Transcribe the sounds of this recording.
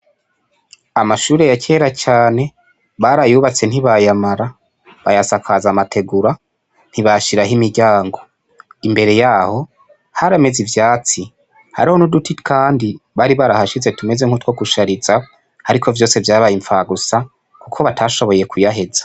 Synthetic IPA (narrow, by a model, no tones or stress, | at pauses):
amaʃuːɾe̞jacʰe̞ːɾat͡ʃaːne̞ | βaɾajuːβat͡se̞n̥hiβajamaɾa | βajasakʰazamatʰe̞ɡuɾa | n̥hiβaʃiɾaɦimiɾɟaːŋɡo̞ | imbe̞ɾe̞jaːho̞ | haɾame̞zivjaːt͡si | ha̰ɾiho̞nudutʰikaːndiβaɾiβaɾahaʃize̞tume̞ze̞ŋ̥hutwo̞kuʃaɾiza | haɾikʰo̞vjo̞ːse̞vjaːβajiɱfaɡusa | kukʰo̞βatʰaʃo̞βo̞je̞kujaɦe̞zḁ